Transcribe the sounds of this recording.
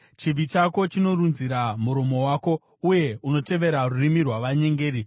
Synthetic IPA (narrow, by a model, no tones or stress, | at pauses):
t͡ʃib͡vit͡ʃako̞t͡ʃino̞runziɾamuɾo̞mo̞waːko̞ | uje̞uno̞te̞ʋe̞ɾarurimirwaʋaɲe̞ŋɡe̞ːɾi